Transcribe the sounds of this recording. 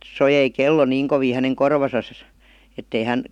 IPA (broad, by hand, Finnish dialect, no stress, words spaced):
sojei kelːo niːŋ koʋiː hæneŋ korʋɑsɑs etːei hæn